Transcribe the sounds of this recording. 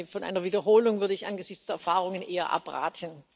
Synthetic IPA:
fɔnʔa̰ɪnɐviːdɐɦoːlʊŋvʏɐɾəɪçʔanɡəzɪçt͡sd̥eːɐɛɐfaːʁ̞ʊŋənʔeːɐ̰ʔa̰pʁa̰ːtʰən

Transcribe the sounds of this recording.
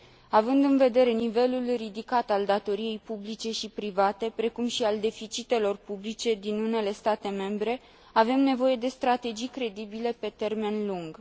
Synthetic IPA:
avɨnd̪ɨnve̞d̪e̞ɾe̞nive̞lulrid̪ikat̪ald̪at̪o̞ɾije̞jpublit͡ʃe̞ʃipɾivat̪e̞pɾe̞kumʃiald̪e̞fit͡ʃit̪e̞lo̞rpublit͡ʃe̞d̪inune̞le̞st̪at̪e̞me̞mbɾe̞ | ave̞mne̞vo̞je̞d̪e̞st̪ɾat̪e̞d͡ʒijkɾe̞d̪ibile̞pe̞t̪e̞rme̞nluŋɡ

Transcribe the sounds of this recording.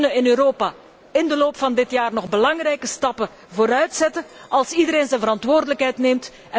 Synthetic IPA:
nəɪnøːɾoːpaː | ɪndəloːpfɑndɪtjaːrnɔɣbəlɑŋrɛjkəstɑpə | voːɾœɥtsɛtəʔɑlˠsidəɾeːnzɛnvəɾɑntʋoːrdələkɦɛjtneːmt | ɛ

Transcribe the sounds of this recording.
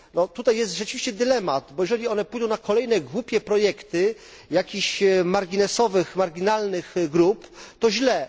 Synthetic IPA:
nɔt̪ut̪ajːɛst̪ʐɛt͡ʂɨvʲiɕt͡ɕɛd̪ɘlɛmat̪bɔjɛʐɛlʲiɔnɛpujd̪ɔ̃w̃nakɔlɛjnɛɡwupʲjɛpɾɔjɛkt̪ɘ | jakʲiɕmaɾɡʲinɛsɔvɘxmaɾɡʲinalnɘxɡɾupt̪ɔʑlɛ

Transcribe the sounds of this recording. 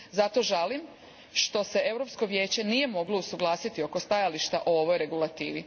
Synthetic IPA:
zat̪o̞ʒalim | ʃt̪o̞se̞e̞vɾo̞psko̞ʋjeːt͡ɕe̞nije̞mo̞ɡlo̞usuɡlˠaːsit̪io̞ko̞st̪ajaliʃt̪aʔoo̞ʋo̞jɾe̞ɡulˠat̪iːʋi

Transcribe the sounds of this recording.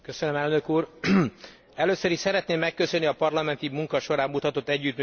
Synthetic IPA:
køsønømɛlnø̞kuːr | ɛløːsøɾiʃsɛɾɛt̪neːmːɛkːøsø̞nːiɒpɒrlɒmɛnt̪imuŋkɒʃo̞ɾaːmːut̪ɒt̪o̞t̪ːɛɟːyt̪my

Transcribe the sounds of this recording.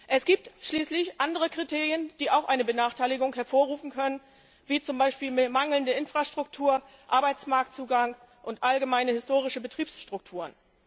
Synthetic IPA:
ʔɛsɡ̥iːp̚tʃliːslɪçʔandəʁ̞əkʁ̥itʰeːʁjənd̥iːaʊxʔaɪnəbənaːχtʰaɪlɪɡʊŋɦɛɐfoːɐʁuːfn̩kʰœnən | viːt͡sʊmbaɪʃpiːlmmaŋl̩ndəʔɪnfʁ̥aʃtʁ̥ʊktʰuːɐ | ʔaɐbaɪt͡smaɐk̚tt͡suːɡaŋ | ʔʊntʔalɡəmaɪnəhɪstoːʁ̞ɪʃəbətʁ̥iːpsʃtʁ̥ʊk̚tʰuːʁən

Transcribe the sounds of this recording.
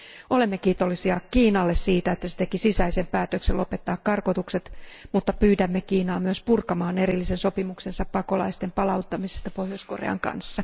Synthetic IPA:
ole̞mːekiːt̪o̞lːisiɑkiːnɑlːessiːt̪æet̪ːæset̪ekisisæise̞mpæːt̪økselʔo̞pe̞t̪ːɑːkkɑrkot̪ukset̪mut̪ːɑpyːdæmːekiːnɑːmyøspurkɑmɑːne̞ɾilːisenso̞pimukse̞nsɑppɑko̞lɑ̰ist̪e̞mpɑlɑut̪ːɑmisest̪ɑpo̞hjosko̞rḛɑ̰ŋkɑ̰nsːɑ

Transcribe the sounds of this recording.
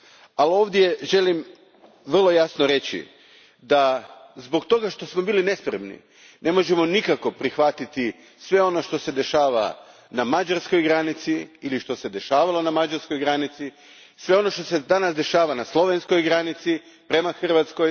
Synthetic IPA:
alo̞ːʋd̪je̞ʒe̞lim | ʋr̩lˠo̞jasnoɾe̞t͡ɕḭ | d̪azbo̞ɡt̪o̞ɡaʃt̪o̞smo̞biːline̞spɾe̞mnḭ | nʔe̞mo̞ʒe̞mo̞nikako̞pɾixʋat̪it̪i | sʋe̞o̞no̞ʃt̪o̞se̞d̪e̞ʃaːʋa̰namad͡ʒaɾsko̞jɡɾanit̪siiliʃt̪o̞se̞d̪e̞ʃaːʋalˠo̞namad͡ʒaɾskojɡɾanit̪si | sʋe̞o̞no̞ʃt̪o̞se̞d̪anasd̪e̞ʃaːʋanaslˠo̞ʋe̞nsko̞jɡɾanit̪si | pɾe̞maxr̩ʋat̪sko̞j

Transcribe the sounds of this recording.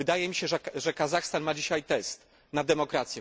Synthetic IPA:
ɘd̪ajɛmʲiɕɛʐɛʐɛkazaxst̪anmad͡ʑiɕajt̪ɛst̪ | nad̪ɛmɔkɾat̪sʲjɛ

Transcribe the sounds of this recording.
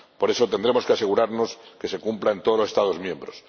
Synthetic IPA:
po̞ɾe̞sot̪e̞nd̪ɾe̞mokease̞ɣ̞uɾaɾno̞ske̞se̞kumplaent̪oðolosest̪að̞o̞zmjẽ̞mbɾos

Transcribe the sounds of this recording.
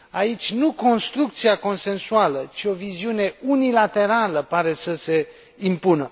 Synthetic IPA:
ait͡ʃʲnuko̞nst̪ɾuk̚t̪siako̞nse̞nsualət͡ʃio̞viziune̞unilat̪e̞ɾaləpaɾe̞səse̞ | impunə

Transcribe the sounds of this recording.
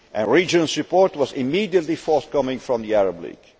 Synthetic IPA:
ʔɨ̃nɹid͡ʒə̃nzɹɨpɔɹtwʌzɪmidiətˡlifɔɹθkʌmɪ̃ŋfɹɔ̃mðiæɹəblḭɡ̥

